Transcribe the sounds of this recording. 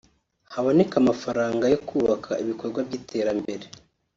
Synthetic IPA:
haβonekamafaɾaːŋɡajo̞kuːβakʰa̰iβikoɾɡwabjiːtʰe̞ːɾambe̞ɾe

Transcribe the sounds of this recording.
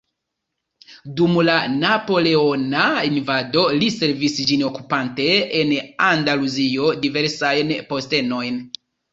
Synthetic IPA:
dumlanapo̞le̞o̞nainvado̞lise̞ɾvisd͡ʒino̞kupante̞enandaluzio̞dive̞ɾsajnpo̞ste̞no̞jn

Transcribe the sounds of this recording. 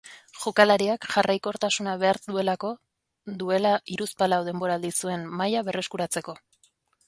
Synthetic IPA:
ʝokalaɾiakʝarʔajko̞ɾt̪asunaβe̞aɾue̞lako̞ | ðue̞laʔiɾuspalawðe̞mbo̞ɾaːld̪isue̞nmajaβe̞re̞skuɾat͡se̞ko̞

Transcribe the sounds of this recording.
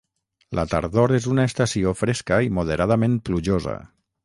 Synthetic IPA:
lʔa̰t̪a̰ɾðoɾezunaest̪asiofɾɛskəimoð̞eɾað̞amẽnpluʒozə̰

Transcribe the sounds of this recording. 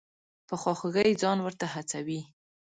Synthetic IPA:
pəxwɑxəɣəjd͡zɑnwəɾt̪aɦat͡sawi

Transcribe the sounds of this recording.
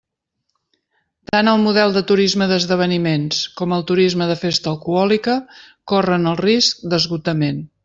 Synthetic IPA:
t̪anəlˠmuðɛlˠd̪ət̪uɾizməðəzðəβ̞ənimenskɔməlˠt̪uɾizməðəfest̪əːlˠkuɔlikə | korənəlˠrisk̚d̪əzɣut̪əmen

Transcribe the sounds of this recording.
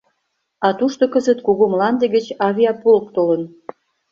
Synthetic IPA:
ɑt̪uʃt̪okəzət̪kuɣomlɑnd̪ĕɣə̆t͡ɕɑβʲiɑpolk̚t̪olən

